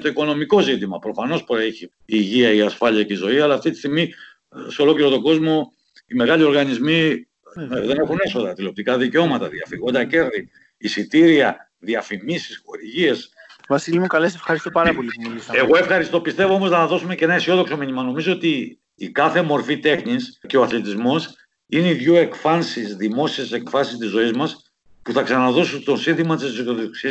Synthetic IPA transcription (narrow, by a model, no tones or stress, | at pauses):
t̪o̞iko̞no̞miko̞zit̪imɐpɾo̞fɐno̞spoɾeçiː | ʝiɐiɐsfɐliɐceizo̞iɐlɐːft̪it̪i̥st̪iɣmi | seo̞lo̞kliɾo̞t̪o̞ɡo̞zmo̞ | ime̞ɣɐʎio̞ɾɣɐnizmi | ðe̞ne̞xune̞so̞ðɐt̪ilo̞p̚t̪ikɐðiceo̞mɐt̪ɐðiɐfiɣo̞nd̪ɐce̞ɾði | isit̪iɾiɐ | ðiɐfimisi̥sxo̞ɾiʝie̞svɐsilimukɐlesefxɐɾist̪opɐɾɐpo̞liumilisɐeɣo̞e̞fxɐɾist̪o̞pist̪e̞voo̞mo̞znɐðo̞sumeceenɐisio̞ðo̞kso̞miɲimɐno̞mizo̞ot̪iː | kɐθe̞mo̞ɾfit̪e̞xɲisceo̞ɐθle̞t̪izmo̞s | ineiðʝoe̞kfɐnsisðimo̞siese̞kfɐsist̪izo̞izmɐs | puθɐksɐnɐðo̞sut̪osinθimɐt̪issoðoksiɐ